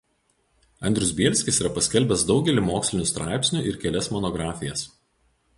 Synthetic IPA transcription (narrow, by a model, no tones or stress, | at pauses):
ɐnʲd̪ɾʲʊsbʲiɛlʲsʲkʲɪsiːɾɐpɐsʲkʲɛlʲbʲɛsd̪ɒʊɡʲɛlʲimoːksʲlʲɪnʲust̪ɾʔɑ̰ˑɪpʲsʲnʲʊʔɪɾkʲɛlʲɛsmɔnɔɡɾɑːfʲɪjɛs